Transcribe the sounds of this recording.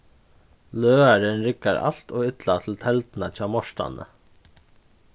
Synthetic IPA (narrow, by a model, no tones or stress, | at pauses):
løːaɾənɾɪkaɾa̰ɬt̪ɔːɣɪt̪lat̪ʰɪlt̪ʰɛlt̪nat͡ɕʰɑːmɔʂta̰nə̰